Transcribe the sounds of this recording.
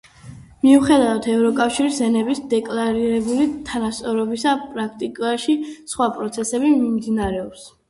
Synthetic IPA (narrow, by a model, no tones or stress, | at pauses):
miuχɛd̪avat̪ʰɛvɾɔkʼafʃiɾisɛnɛbisd̪ɛkʼlaɾiɾɛbulit̪ʰanast̪sʼɔɾɔbisapʼɾak̚ʰt̪ʼikʼaʃisχwapʼɾɔt̪sʰɛsɛbimimd̪inaɾɛɔps